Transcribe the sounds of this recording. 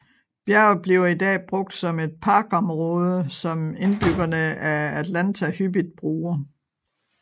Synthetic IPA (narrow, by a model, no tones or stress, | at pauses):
b̥jæɐb̥liʊidɛ̰ːb̥ʁɔ̽ɡ̥̚d̥sɒ̽me̝d̥̚pʰɑ̈ːɡ̥ɒ̽mʁɔ̽ːð̞ˠəsɒ̽me̝nb̥yɡ̥ɐnəææd̥lænt͡sʰæhyb̥id̥̚b̥ʁuːɐ